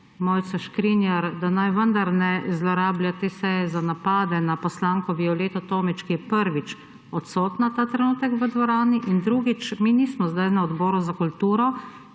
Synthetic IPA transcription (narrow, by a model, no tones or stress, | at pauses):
mɔjt̪saʃkɾiːnjaɾd̪anajʋənd̪aɾnɛzlɔɾaːbljat̪eːsɛjɛzanapaːd̪ɛnapɔslaːŋkɔʋiɔleːt̪ɔt̪oːmit͡ʃkijɛpəɾʋit͡ʃ | ɔt̪soːt̪nat̪aːt̪ɾɛnuːt̪ɛkʋəd̪ʋɔɾaːniʔind̪ɾuːɡit͡ʃminiːsmɔzd̪ajnaɔd̪bɔːɾuzakult̪uːɾɔ